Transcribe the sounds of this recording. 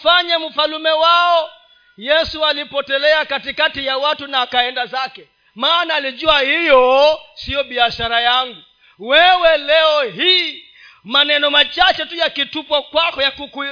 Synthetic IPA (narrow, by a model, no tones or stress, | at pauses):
faɲam̩falumɛwaɔ | jɛsualipɔtɛlɛakatikatijawatunaːkaɛndazakɛ | maːnaːliʄuahijɔsiɔɓiaʃaɾajaŋɡu | wɛwɛlɛɔɦiː | manɛnɔmat͡ʃat͡ʃɛtujakitupwakwakɔjakuku